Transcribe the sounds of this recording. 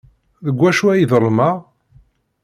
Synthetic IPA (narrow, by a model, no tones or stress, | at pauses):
ðəɡʷːæʃuæjiðəɾˤma